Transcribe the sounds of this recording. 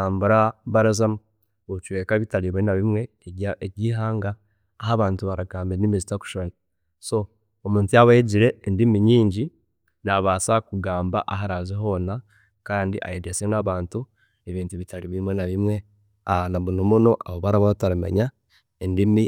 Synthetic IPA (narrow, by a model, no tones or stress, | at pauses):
aːmbuɾaβaɾazamu | ot͡ʃwe̞ːkaβitaliβwenaβimwe̞eɟiːɦaːŋɡaː | ɦaβaːntuβaɾaɡaːmbienimizitaku̥ʃoni | so̞ | omuːntijaβaiɟiɾe̞ːndimiɲiːɲɟi | naβaːsakuɡaːmba̰ʔaɦaɾazeɦo̞na | kaːndiʔa̰jedesenaβaːntu | eβiːntuβitaliβimwenaβimwe̞ | anaβunomuno̞aβoβaɾaβaataɾimḛɲa | endimi